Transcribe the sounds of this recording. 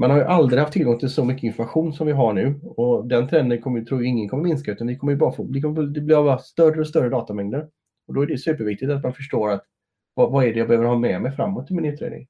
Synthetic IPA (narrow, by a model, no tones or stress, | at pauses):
manhaɾjɵʔald̪ɾɪhaft̪ʰːɪlɡɔŋt̪ʰɪlsɔmʏkːəɪnfɔmaɧuːnsɔmvɪɦaɳʉ̟ːɔd̪ɛnt̪ʰɾɛnd̪ənkʰɔmːəjt̪ʰɾuːjaɪŋːənkʰɔmːəmɪnskaʉ̟t̪and̪ɪkʰɔmːəjɵbɑːɾafoːblɪkʰɔmːəfd̪ɛblɪɾavst̪œrːəɔst̪œrəd̪ɑːt̪amɛŋd̪əɾ | ɔd̪ɔæɖɛsʉ̟ːpəɾvɪk̚t̪ɪt̪at̪̬manfœʂʈoːɾat̪ | vɑvaæɖɛjabɛhøːvəɾhɑːmɛmɛjfɾa̰mːɔt̪ʰːɪlmɪnʉ̟ːt̪ʰːɾḛːd̪ɪ̰ŋ